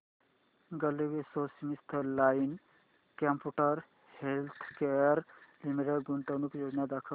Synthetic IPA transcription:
ɡɐliʋesosmist̪ʰəlaːin | kampuʈəɾ | helt̪ʰkeɾlimiɾeɖɡuɳʈ̪ənukjoːd͡ʒnad̪akʰə

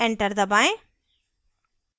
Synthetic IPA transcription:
ɛ̃ɳʈəɾd̪əbaɪ

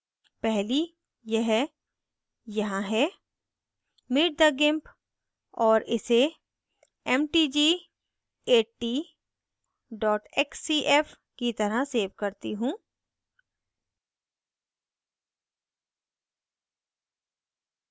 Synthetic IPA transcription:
pɛɦli | jɛɦ | jɐɦãɦɛː | mɪʈ̚d̪aɡɪ̃mp | ɔːɾɪse | ɛmʈiːd͡ʒiː | eːʈːiː | ɖɔːʈɛːksiːʔɛf | kit̪ɐɾaseːʋkɐɾt̪iɦũː

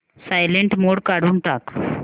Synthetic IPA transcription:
sajleɳʈmoɽkaɽ̤uːnʈ̪ak

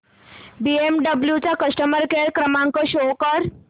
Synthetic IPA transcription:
biemɖəbljut͡ɕakəsʈəməɾkeɾkɾəmãŋkoʃokəɾ

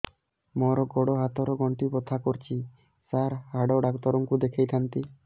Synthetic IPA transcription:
mɔɾɔɡɔɽɔɦat̪ɔɾɔɡɔɳʈipɔt̪ʰakɔɾt͡ʃʰi | saɾhaɽɔɖakt̪ɔɾɔŋkud̪ekʰejt̪ʰant̪i

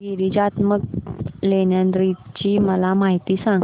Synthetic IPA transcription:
iɾiːd͡ʑat̪mək̚leɳjand̪ɾit͡ɕiːməlamaɦit̪iːsãŋ

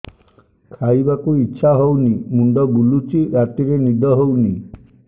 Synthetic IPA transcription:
kʰajbakuitːʃʰaɦownimuɳɖɔɡulut͡ʃiɾat̪iɾenid̪ʱɔɦowni

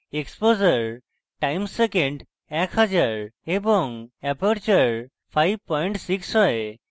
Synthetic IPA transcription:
ekspozəɾ | ʈajmsekẽɳɖ | ɛkhad͡ʒaɾebɔŋɛpəɾt͡ʃəɾ | pʰajb̚pɔjɳʈsiksɔe

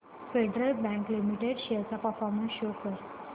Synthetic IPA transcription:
feɖɾəlbæ̃ŋklimiʈeɖɕet͡sapəɾfɔɾmənsɕokəɾ

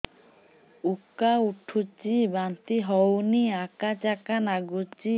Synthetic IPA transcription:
ukːauʈʰːut͡ʃibant̪iɦɔwniakat͡ɕakanaɡut͡ʃi

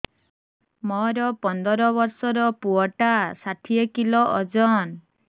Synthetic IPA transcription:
mɔɾɔpɔnd̪ɔɾɔβɔɾsɔɾɔpuɔʈasat̪ʰiekilɔʔɔd͡ʒɔn

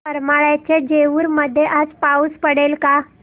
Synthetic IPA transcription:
pəɾmaɭjat͡ɕed͡ʑeʋuːɾməd̪ʱːjeʔad͡zpauːspəɽelka

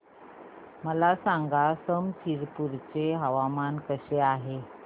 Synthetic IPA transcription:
məlasaŋɡasəmt͡ɕʰiɾpuɾt͡seɦəʋamankəɕeaɦe

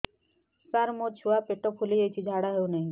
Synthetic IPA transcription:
saɾmot͡ʃʰuapeʈopʰulid͡ʒəjt͡ʃʰid͡ʒʱaɽaɦeunəĩ

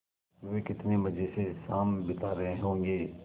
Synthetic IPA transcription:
ʋeːkɪt̪nemɐd͡ʒʱesesaːmbɪt̪aːɾɐɦẽɦõːŋɡeː

